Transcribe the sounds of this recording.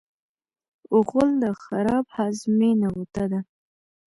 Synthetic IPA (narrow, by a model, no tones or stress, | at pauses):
ʊɣʊld̪əxaɾɑbhɑzmenawut̪ad̪a